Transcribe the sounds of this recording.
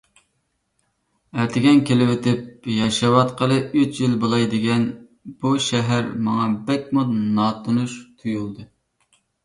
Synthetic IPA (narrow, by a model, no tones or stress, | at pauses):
ɛt̪ʰɪɡʲɛnkʲʰelɪwet̪ʰɪp̚jɑʃɑwɑt̪qʰəlˠɨyt͡ʃjilbolˠɑjd̪ɪɡʲɛn | b̥uʃɛɦæɾmɑŋɑbɛk̚ʲmunɑt̪ʰunuʃt̪ʰujulˠd̪ɨ